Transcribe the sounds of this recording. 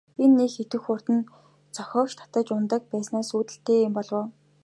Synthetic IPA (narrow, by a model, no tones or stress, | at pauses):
enːekxet̪ɘ̆xʊr̥t̪ɘ̆n | t͡sɔxʲɔːkt͡ɕt̪ʰḁt̪ə̆t͡ɕʊnt̪ə̆k̚pæːsnaːsuːt̪ɘ̆ɬt̪eːmpɔɮwʊː